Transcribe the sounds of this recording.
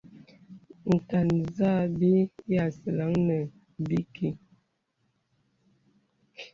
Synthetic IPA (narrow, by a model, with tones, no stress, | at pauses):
ŋ̩˨ka˨nza˦˨bi˦ja˦˨sə˨la˨˦ŋnə˨ | bi˦ki˨